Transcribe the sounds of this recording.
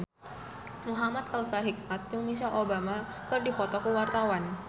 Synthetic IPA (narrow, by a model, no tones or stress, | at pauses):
muɦamat̪̚kawsalɦik̚mat̪̚jʊŋmiʃ̬alʔobama | kɨrdipɔt̪ɔkuwart̪awan